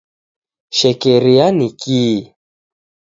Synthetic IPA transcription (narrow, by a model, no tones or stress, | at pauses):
ʃɛkɛɾianikiː